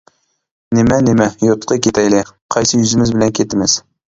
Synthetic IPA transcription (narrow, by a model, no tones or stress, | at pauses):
nemænɪmæjot̪qəkʲʰet̪æjlɪqʰɑjsɨjʏzɪmɪzbɪlænkʲʰet̪ɪmɪz̥